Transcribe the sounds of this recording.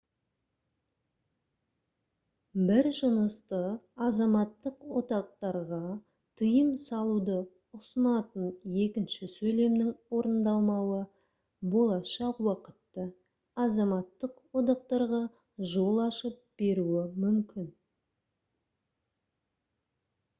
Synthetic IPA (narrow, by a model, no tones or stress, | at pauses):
bɪɾʒənəst̪əɑzɑmɑt̪ːəqwo̞t̪ɑq̚t̪ɑɾʁɑ | t̪ʰəjəmsɑlˠud̪ə | ʊsənɑt̪ənje̞kʲɪnʃɪsɵjle̞mnɪŋwo̞ɾənd̪ɑlˠmɑwə | bo̞lˠɑʃɑqwɑqə̥t̪ːə | ɑzɑmɑt̪ːəqwo̞d̪ɑqt̪ɑɾʁɑ | ʒo̞lˠɑʃəp̚b̥e̞ɾuɪmʏmkʲɪn